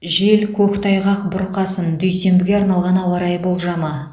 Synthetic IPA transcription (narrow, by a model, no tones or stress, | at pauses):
ʒe̞lkʲʰɵkt̪ʰɑjʁɑqbʊɾqɑsənd̪ɵjse̞mbɪɡʲe̞ɑɾnɑlˠʁɑnɑwɑɾɑjbo̞lˠʒɑmɑ